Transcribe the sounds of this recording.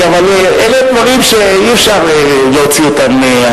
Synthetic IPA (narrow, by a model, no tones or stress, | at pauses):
avale | elet̪vaʁimʃe | iɛfʃaʁe | leot͡siot̪ame